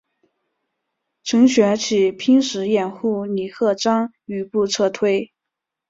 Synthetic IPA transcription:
ʈ͡ʂʰɤ˧˥ŋɕɥɛ˧˥t͡ɕʰi˨˩pʰi˥ŋʂɻ̩˧˥jɛ˨˩nxu˥˩ni˨˩xɤ˥˩ʈ͡ʂɑ˥ŋ | y˧˥pu˥˧t͡sʰɤ˥˧t̪ʰwe˥˩ɪ

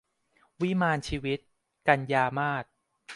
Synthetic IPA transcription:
wi˦˥maː˧nt͡ɕʰiː˧wi˦˥t̪̚ | ka˧njaː˧maː˥˩t̪̚

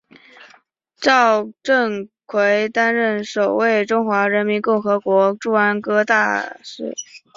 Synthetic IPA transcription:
ʈ͡ʂɑ˥˧ʊʈ͡ʂə˥˩ŋkʰwe˧˥ɪt̪a˥nɻə˥˩nʂo˨˩ʊwe˥˩ɪʈ͡ʂʊ˥ŋxwa˧˥ɻə˧˥nmi˧˥nkʊ˥˩ŋxɤ˧˥kwɔ˧˥ʈ͡ʂu˥˩a˥nkɤ˥t̪a˥˧ʂɻ̩˥˩

